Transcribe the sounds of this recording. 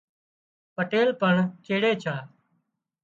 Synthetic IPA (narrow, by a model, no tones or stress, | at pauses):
pəʈeːlpəɳt͡ʃeːɽeːt͡ʃʰaː